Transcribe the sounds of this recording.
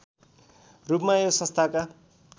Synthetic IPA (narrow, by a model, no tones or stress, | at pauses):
rupmajosʌ̃st̪ʰaka